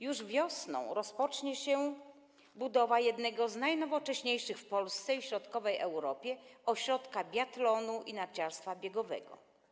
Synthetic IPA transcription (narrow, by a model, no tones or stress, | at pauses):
juʐvʲjɔsnɔ̰̃w̃ɾɔspɔt͡ʂɲɛɕɛ | bud̪ɔvajɛd̪nɛɡɔznajnɔvɔt͡ʂɛɕɲejʂɘxfpɔlst̪sɛiɕɾɔt̪kɔvɛjʔɛwɾɔpʲjɛɔɕɾɔt̪kabʲjat̪lɔnuʔinat͡ɕaɾst̪fabʲjɛɡɔvɛ̰ɡɔ̰